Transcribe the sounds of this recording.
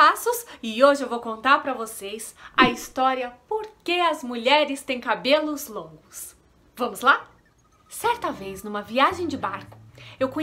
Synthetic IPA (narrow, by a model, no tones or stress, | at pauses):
asʊsɪoʒɪewvowkõnt̪aɾpɾɐvosesɐist̪ɔɾiɐpoɾkeɐzmuʎɛɾɪst̪ẽj̃kabelʊzlõŋɡʊs | vɐ̃mʊzla | sɛɾt̪ɐvejznũmɐviaʒẽj̃d͡ʒɪbaɾkʊ̥ewkõ